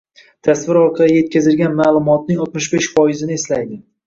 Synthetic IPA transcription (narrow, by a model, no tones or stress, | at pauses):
t̪ʰasvɪɾɒɾqʰɑlije̞t̪̚kʲazɪlɡʲanmaːlˠʊmɒt̪̚nɪŋɒt̪mɪʃbeʃfɒjɪzɪnɪeslajd̪ɪ